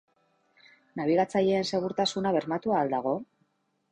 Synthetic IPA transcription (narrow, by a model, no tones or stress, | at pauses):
naβ̞iɣat͡saʎe̞ːnse̞ɣuɾt̪asunaβ̞e̞ɾmat̪uaːld̪aɣ̞o̞